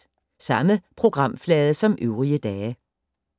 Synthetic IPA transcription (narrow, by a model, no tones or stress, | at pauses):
sɑ̈məpʰʁo̝ɡ̥ʁɑ̈m̰flɛːð̞ˠəsɒ̽møʊʁiəd̥ɛː